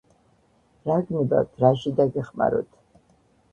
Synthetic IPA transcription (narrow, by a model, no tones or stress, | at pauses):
ɾaɡniba̰wt̪ʰɾaʃid̪aɡɛχma̰ɾɔ̰t̪ʰ